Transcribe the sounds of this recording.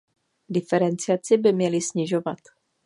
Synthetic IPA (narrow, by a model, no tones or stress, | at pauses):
dɪfɛɾɛnt͡sɪat͡sɪbɪmɲɛlɪsɲɪʒo̞vat̪